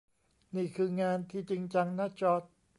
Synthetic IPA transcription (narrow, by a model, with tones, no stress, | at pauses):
niː˥˩kʰɯː˧ŋaː˧nt̪ʰiː˥˩t͡ɕi˧ŋt͡ɕa˧ŋna˥˩t͡ɕɔː˦˥˩t̪̚